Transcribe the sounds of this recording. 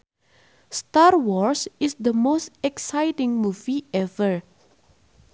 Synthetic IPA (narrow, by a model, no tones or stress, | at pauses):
st̪arwɔɹsɪsd̪əmost̪ɛksajtɪ̃ŋmuviɛvəɹ